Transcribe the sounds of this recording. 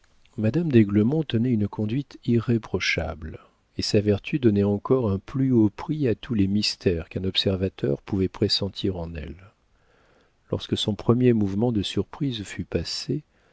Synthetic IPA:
mad̪amd̪eɡləmɔ̃t̪ənɛynkʰɔ̃d̪ɥit̪iʁepχɔʃa̰bl | esavɛʁt̪ʰyd̪ɔnɛɑ̃kɔʁɛ̃plyopχiat̪ʰulɛmist̪ʰɛʁkɛ̃nɔpsɛʁvat̪œ̰ʁpuvɛpχesɑ̃t̪ʰiʁɑ̃nɛ̰l | ɔ̰ʁskəsɔ̃pχəmjemuvmɑ̃d̪əsyʁpχizfypase

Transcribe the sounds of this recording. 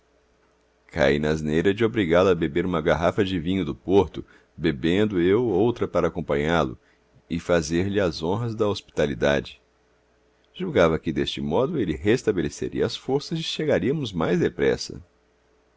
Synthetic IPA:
kʰa̰inaznejɾɐd͡ʒɪobɾiɡalɐːbebeɾũmɐɡaɦafɐd͡ʒɪvĩɲʊd̪ʊpoɾt̪ʊ | bebẽnd̪ʊewowt̪ɾɐpaɾɐːkõmpɐ̃ɲalʊ̰ | ɪfazeɾlɪɐzõɦɐzd̪ɐospi̥t̪alid̪a̰d͡ʒɪ | ʒ̥uɡavɐkɪd̪est͡ʃɪmɔd̪ʊelɪɦest̪abelesḛɾḭɐːsfoɾsɐzd͡ʒɪʃeɡaɾiɐmʊzmajzd̪epɾɛ̰sɐ̰

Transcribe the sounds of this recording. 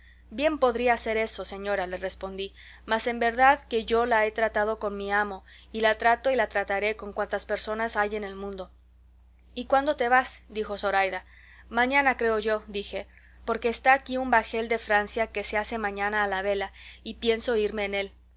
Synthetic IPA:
bje̞mpo̞ðɾiaːse̞ɾe̞sose̞ɲo̞ɾale̞re̞spo̞nd̪i | mase̞mbe̞ɾðaðke̞ʝo̞lae̞t̪ɾat̪að̞o̞ko̞nmiamo̞ | ilat̪ɾat̪o̞ilat̪ɾat̪aɾe̞ko̞ŋkwant̪aspe̞ɾso̞nasaje̞ne̞lmũnd̪o̞ | ikwand̪o̞t̪e̞βasd̪ixo̞so̞ɾajða | mãɲãnakɾe̞oʝo̞d̪ixe̞ | po̞ɾke̞ːst̪aːkiumbaxe̞ld̪e̞fɾansjake̞sease̞mãɲãnaːlaβe̞laipje̞nso̞iɾme̞ːne̞l

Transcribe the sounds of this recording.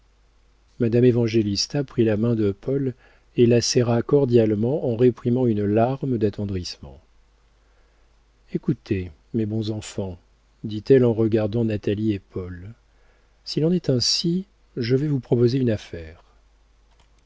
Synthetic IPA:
mad̪amevɑ̃ʒelist̪apχilamɛ̃d̪əpɔl | elasɛʁakɔʁd̪jalmɑ̃ʔɑ̃ʁepχimɑ̃ynlaʁməd̪at̪ɑ̃d̪ʁismɑ̰̃ | ekut̪ʰe | mebɔ̃zɑ̃fɑ̃ | d̪it̪ɛlɑ̃ʁəɡaʁd̪ɑ̃nat̪aliepɔl | silɑ̃nɛt̪ɛ̃si | ʒəvɛvupχɔpozeynafɛːʁ

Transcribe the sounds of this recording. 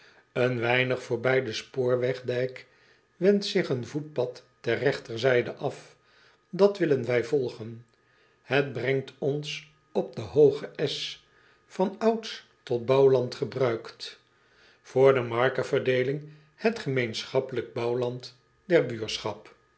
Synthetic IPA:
ənʋɛjnəχfʊːɹbɛjdəspoːɹʋɛχdɛjk | ʋɛntsɪχənvut̚pɑtːɛrrɛχtəɹzɛjdəʔɑf | dɑtʋɪlənʋɛjvɔlˠχən | həd̚brɛŋtʰɔns | ɔb̚dəɦowχəʔɛs | fɑnɑwts | tɔt̚bɑwlɑntχəbrœɥkt | fʊːɹdəmɑɹkəvəɹdejlɪŋ | hətχəmejnsχɑpələɡ̚bɑwlɑnt | dɛɹbyːɹsχɑp

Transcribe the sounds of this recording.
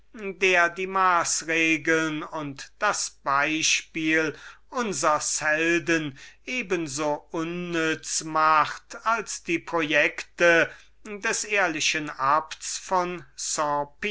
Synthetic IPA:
deːɐdiːmaːsʁeːɡəlnʊntd̥asb̥aɪʃpiːlʔʊnzɐshɛldənʔeːbənzoːʔʊnːʏt͡smaχtalsd̥iːpʁojɛktə | dɛsʔeːɐlɪʃənaptsfɔnsɑ̃p

